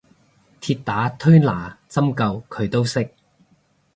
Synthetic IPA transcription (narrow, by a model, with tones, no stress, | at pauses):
t̪ʰiː˧t̚t̪aː˨˥t̪ʰɵ˥ɥlaː˨˩t͡sɐ˥mkɐ˧wkʰɵ˨˧ɥt̪o˥wsɪ˥k̚